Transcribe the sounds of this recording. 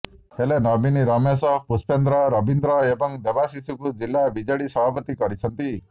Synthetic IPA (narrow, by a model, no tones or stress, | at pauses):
helenɔbiniɾɔmesɔpuspʰend̪ɾɔɾɔbind̪ɾɔebɔŋd̪ebasisukud͡ʒilːabid͡ʒeɽisɔbʱapɔt̪ikɔɾit͡ʃʰɔnt̪i